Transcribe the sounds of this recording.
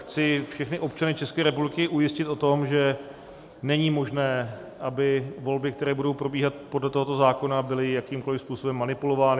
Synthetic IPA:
xt͡sɪfʃɛxnɪʔo̞p̚t͡ʃanɪt͡ʃɛskɛːɾɛpublɪkɪʔujɪscɪt̪ʔo̞t̪o̞mʒɛ | nɛɲiːmo̞ʒnɛː | ʔabɪvo̞lbɪk̚t̪ɛɾɛːbudo̞wpɾo̞biːɦat̪po̞dlɛt̪oɦot̪o̞zaːko̞nabɪlɪjakiːmko̞lɪfspuːso̞bɛmːanɪpulo̞vaːnɪ

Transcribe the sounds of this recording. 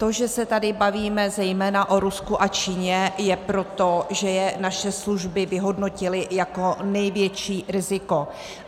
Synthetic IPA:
t̪o̞ʒɛsɛt̪adɪbaviːmɛzɛjmɛːnaʔo̞ɾuskuʔat͡ʃiːɲɛjɛpɾo̞t̪o̞ʒɛjɛnaʃɛsluʒbɪvɪɦo̞dno̞cɪlɪjako̞nɛjvjɛt͡ʃiːɾɪzɪko̞

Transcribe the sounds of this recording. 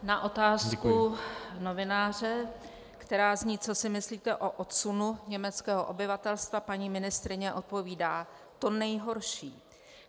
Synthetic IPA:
naʔo̞t̪aːskuno̞vɪnaːr̝ɛ | kt̪ɛɾaːzɲiːt͡so̞sɪmɪsliːt̪ɛʔo̞ʔot̪sunuɲɛmɛt͡skɛːɦoʔobɪvat̪ɛlst̪vapaɲiːmɪnɪst̪ɾɪɲɛʔo̞t̪̚po̞viːdaː | t̪o̞nɛjɦo̞ɾʃiː

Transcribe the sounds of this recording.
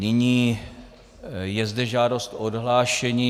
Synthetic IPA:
nɪɲiː | jɛzdɛʒaːdo̞st̪ʔodɦlaːʃɛɲiː

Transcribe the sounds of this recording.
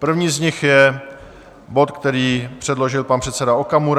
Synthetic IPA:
pr̩vɲiːzɲɪxjɛ | bo̞t̪kt̪ɛɾiːpr̝̥ɛdlo̞ʒɪlpanpr̥ɛt̪sɛdaokamuɾ

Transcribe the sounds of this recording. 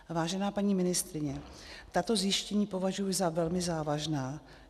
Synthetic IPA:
vaːʒɛnaːpaɲiːmɪnɪst̪ɾɪɲɛt̪at̪o̞zjɪʃcɛɲiːpo̞vaʒujɪzavɛlmɪzaːvaʒnaː

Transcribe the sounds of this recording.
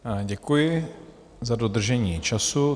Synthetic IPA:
ɟɛkujɪ | zadod̪r̩ʒɛɲiːt͡ʃasu

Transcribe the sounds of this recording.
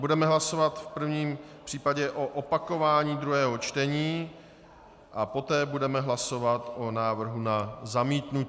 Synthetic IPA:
budɛmɛɦlaso̞vat̪fpr̩vɲiːmpr̥iːpaɟɛʔo̞ʔopako̞vaːɲiːd̪ɾuɦɛːɦo̞t͡ʃt̪ɛɲiː | ʔapo̞t̪ɛːbudɛmɛɦlaso̞vat̪ʔo̞naːvr̩ɦunazamiːt̪nu

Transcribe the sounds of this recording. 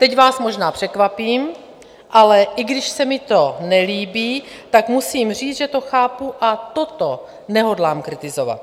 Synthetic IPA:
t̪ɛcvaːsmo̞ʒnaːpr̥ɛkvapiːm | ʔalɛʔɪɡdɪʃsɛmɪt̪o̞nɛliːbiːt̪akmusiːmr̝iːt͡sʒɛt̪o̞xaːpuʔat̪ot̪o | nɛɦo̞dlaːmkɾɪt̪ɪzova̰t̪̚

